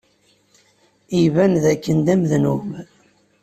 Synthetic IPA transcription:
ivænðækːənd̪æmðnum

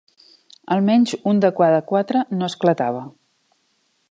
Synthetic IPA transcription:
əlˠmɛɲʲzund̪əkwaðəkwat̪ɾənoəsklət̪aβ̞ə

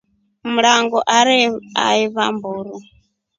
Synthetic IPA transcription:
muɺaŋɡɔʔaɾia̰iβambuːɾi

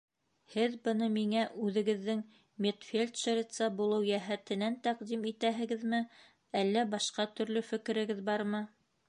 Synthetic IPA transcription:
hɘðbɤ̆nɤmiŋæʔʉðɘ̆ɡɘ̆ðːɘŋ | mʲet̪fʲelʲt̪ʃeɾʲɪt̪sɑbulˠɤwjæɦæt̪ɘ̆nænt̪æqd̪imit̪æɦɘ̆ɡɘðmɘ | ælːæbɑʃqɑt̪ɵ̆ɾlɵfɘ̆kɘ̆ɾɘ̆ɡɘðbɑɾmɤ

